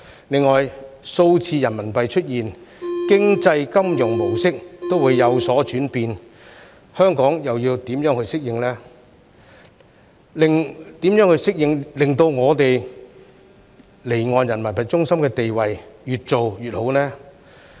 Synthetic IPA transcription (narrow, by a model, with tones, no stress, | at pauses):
lɪ˨ŋːɔː˨jso˧wt͡sʰiː˧jɐ˨˩nmɐ˨˩npɐ˨jt͡ʃʰɵ˥t̚jiː˨nkɪ˥ŋt͡sɐ˧jkɐ˥mjʊ˨˩ŋmo˨˩wsɪ˥k̚t̪o˥wuː˨˧jːɐ˨˧wsɔː˨˥t͡ʃyː˨˥npiː˧n | hœː˥ŋkɔː˨˥ŋjɐ˨wjiː˧wt̪iː˨˥mjœː˨˥ŋhɵ˧ɥsɪ˥k̚jɪ˧ŋlɛː˥ | lɪ˨ŋt̪iː˨˥mjœː˨˥ŋhɵ˧ɥsɪ˥k̚jɪ˧ŋlɪ˨ŋt̪o˧wŋɔː˨˧t̪e˨j | le˨˩jŋɔː˨njɐ˨˩nmɐ˨˩npɐ˨t̚t͡ʃʊ˥ŋsɐ˥mkɛː˧t̪e˨jwɐ˨jjyː˨t̚t͡so˨wjyː˨t̚ho˨˥wnɛː˥